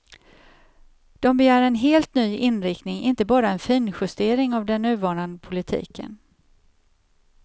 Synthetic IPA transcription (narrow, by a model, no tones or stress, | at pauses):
d̪̥ɔmbɛjæːɾɛnɦeːlt̪nyːɪnɾɪkt̪nɪŋɪnt̪əbɑːɾaɛnfiːnɧɵst̪eːɾɪŋavd̪ɛnːʉ̟ːvɑːɳand̪əpʰʊlɪt̪ʰḭːkə̰n